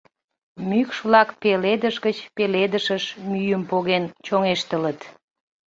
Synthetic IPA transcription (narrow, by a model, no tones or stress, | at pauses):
mykʃβlɑkpeled̪əʃɣət͡ɕpeled̪əʃəʃmyjəmpoɣent͡ɕoŋeʃt̪ələt̪